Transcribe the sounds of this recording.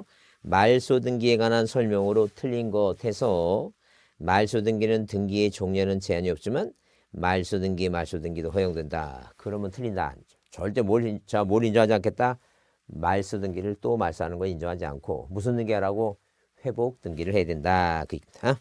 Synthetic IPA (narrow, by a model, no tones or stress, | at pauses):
maɭs͈ʰodɯŋɡie̞ɡwanɦansʰʌɭmjʌŋɯɾotʰɯʎːinɡʌtʰe̞sʰʌ | maɭs͈ʰodɯŋɡinɯntɯŋɡie̞t͡ɕoŋɲʌnɯnt͡ɕe̞aɲiʌp̚t͡ɕ͈iman | maɭs͈odɯŋɡiemaɭs͈odɯŋɡidoɦʌjoŋdwe̞nda̰kɯɾʌmjʌntʰɯʎːinda̰ːɲid͡ʑo̥t͡ɕʌɭt͈e̞moɾt͡ɕamoɾind͡ʑʌɦad͡ʑiankʰe̞t̚t͈a | maɭs͈udɯŋɡiɾɯɭt͈omaɭs͈aɦanɯnɡʌind͡ʑʌŋɦad͡ʑia̰nkʰo̰mus̬ʰʌndɯŋɡiaɾaɡo | ɸwe̞bok̚tɯŋɡiɾɯɭhe̞jadwendakɯikid̥a